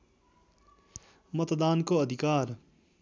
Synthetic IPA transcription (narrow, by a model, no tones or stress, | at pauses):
mət̪d̪aːnkoɐd̪ʱɪkaːɾ